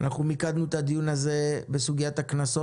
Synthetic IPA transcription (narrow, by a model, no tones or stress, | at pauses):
anaχnumikad̪nuet̪ad̪ijunaze̞besuɡijat̪aknaso̞